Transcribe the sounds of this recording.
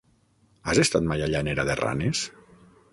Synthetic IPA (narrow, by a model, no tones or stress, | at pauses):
azest̪at̪majaʎaneɾaðera̰nes